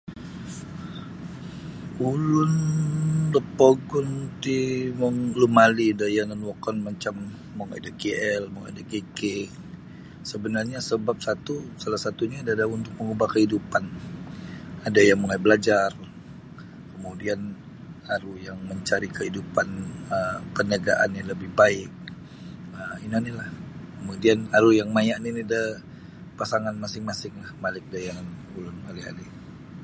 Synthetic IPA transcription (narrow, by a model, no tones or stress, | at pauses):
ulʊn | ləpoɡɔnt̪imɔŋlumalidajanənwɔkɔnmat͡ʃamː | ɔŋa̰dakeɛlmɔŋḛdakeke | səbənarɲasəbap̚sat̪usalahsat̪uɲaːdadaunt̪ʊk̚məŋubahkəhidupan | adajaŋmulajbəlad͡ʒar | kəmudian | aɾujaŋməɲt͡ʃaɾikəɦidupanəpənəɡaʔanjaŋləbɪhbaɪk̚ | əinanilahkəmudianaɾujaŋmajaʔniniada | pasaŋanmasɪŋmasɪŋlahmalɪk̚dajaŋan | ulʊnhaɾiɦa̰ɾi